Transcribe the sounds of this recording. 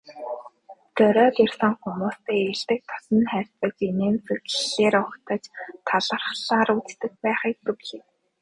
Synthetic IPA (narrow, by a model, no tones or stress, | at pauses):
t̪œɾœːt̪irsə̆ŋχumuːst̪eːeɮt̪ɘ̆k̚t̪ʰɔ̥sɞ̆nχær̥ʲt͡sə̆t͡ɕineːnt͡sɵɣɮeːɾʊkt̪ə̆t͡ɕt̪ʰaɮə̆rχɮaːɾut͡st̪ɘ̆xpæːχiːk̚t̪ɵkɮeː